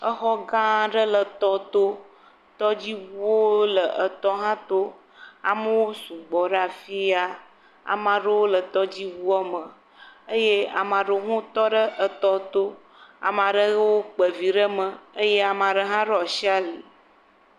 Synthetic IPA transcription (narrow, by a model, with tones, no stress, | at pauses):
ə˦xɔ˦ɡã˦ɖə˦lə˨t̪ɔ˦t̪o˦ | t̪ɔ˦d͡ʑi˦wu˦wo˦lə˨ʔə˨t̪ɔ˦ɦã˦t̪o˦ | a̰˨mə˦wo˦su˨ɡ͡bɔ˨ɖə˦a˨fi˦a˦ | a̰˨mã˨ɖə˦wo˦lə˨t̪ɔ˦d͡ʑi˦wu˦ɔ˦mə̃˨ | ə˦je˦a̰˨mã˨ɖo˨ɦũ˦t̪ɔ˦ɖə˦ʔə˨t̪ɔ˦t̪o˦ | a̰˨mã˨ɖə˦wo˦k͡pə˨vi˨ɖə˦mə̃˨ə˦je˦a˨mã˨ɖə˦ɦã˦ɖɔ˨ʃi˦a˦li˨